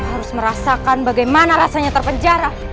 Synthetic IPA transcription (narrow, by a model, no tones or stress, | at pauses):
haɾʊsməɾasakanbaɡajmanaɾasaɲat̪ərpəɲd͡ʒaɾa